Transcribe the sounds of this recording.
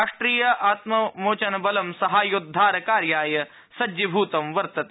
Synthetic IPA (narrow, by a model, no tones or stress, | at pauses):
ʂʈɾiːjɐʔaːt̪mɐmoːt͡ʃɐnɐbɐlɐmsɐɦaːjud̪ʱːaːɾɐkaːɾjaːjɐ | sɐdibʱuːt̪ɐmʋɐɾt̪ɐt̪